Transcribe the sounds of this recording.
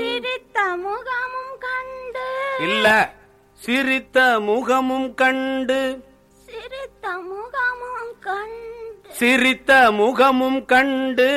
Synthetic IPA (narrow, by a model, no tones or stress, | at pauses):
sɪɾɪt̪ːɐmʊɣɐmɯmkɐɳɖɯɪlːɐ | sɪɾɪt̪ːɐmʊɣɐmɯmkɐɳɖɯ | sɪɾɪt̪ːɐmʊɣɐmɯmkɐɳɖɯsɪɾɪt̪ːɐmʊɣɐmɯmkɐɳɖɯ